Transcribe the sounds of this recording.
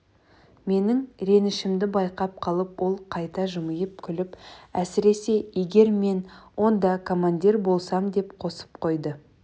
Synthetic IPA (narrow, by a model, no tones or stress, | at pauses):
me̞nɪŋɾe̞nɪʃɪmd̪ɪbɑjqɑp̚qʰɑlˠəpwʔo̞lˠqʰɑjt̪ɑʒʊməjəp̚kʲʰʏlɪpæsɪɾe̞se̞je̞ɡʲe̞ɾme̞nwʔo̞nd̪ɑkʰomand̪ʲiɾbo̞lˠsɑmd̪e̞pqʰo̞sə̥p̚qʰo̞jd̪ə